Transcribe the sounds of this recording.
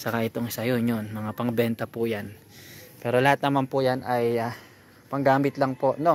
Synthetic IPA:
sɐkaʔɪt̪oŋɪsɐjonjonmɐŋapɐŋbɛnt̪ɐpʊjan | pɛːɾo̞lɐhat̪̚nɐmanpʊjanɐja | pɐŋɡaːmɪt̪lɐŋpo̞ʔno̞

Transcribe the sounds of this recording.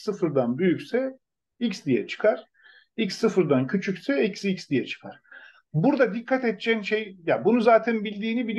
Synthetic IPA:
sɯfɾd̪anbyjycsɛ | icsd̪ijɛ̰t͡ʃʰɯ̥kʰaɾ̥ | icsːɯfɯɾd̪ancʰyt͡ʃʰycsɛicsicsd̪ijɛt͡ʃʰɯ̥kʰaɾ̥ | buɾd̪ad̪ikʰːat̪ɛt̪̚t͡ʃʰɛnʃejjabunuzaːt̪ʰænbilʲd̪iːnibilʲ

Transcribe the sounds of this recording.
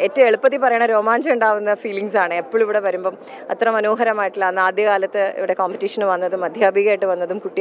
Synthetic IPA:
etːɐmeɭupːɐt̪ːipɐrɐjaːɳɐmɾo̞ːmaːnd͡ʑɐjuɳɖaːʋunːɐfiːliŋsaːɳɨepːoɭiʋiɽe̞ʋɐɾumbo̞ː | ɐt̪ːrɐmɐnoːɦɐɾɐmaːjiʈːilɐnːaːd̪jɐkaːlɐt̪ːɨḭʋiɽe̞koːmpitːiʂɐnɨʋɐnːɐðumɐd̪ʱjaːbʱiɣɐjʈːɨʋɐnːɐðumkuʈːi

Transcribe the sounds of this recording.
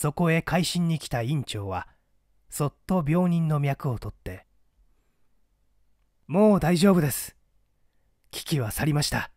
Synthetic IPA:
so̞ko̞e̞kʰaiɕĩɲ̟ːikʲi̥t̪aĩɲ̟t͡ɕo̞ːβa | so̞t̪ːo̞bʲo̞ːɲ̟ĩnːo̞mʲjakɯ̟o̞t̪o̞t̪ːe̞ | mo̞ːd̪aiʑo̞ːbɯ̟d̪e̞sɨ̥ | kʲi̥kʲiβasaɾʲimaɕi̥t̪a

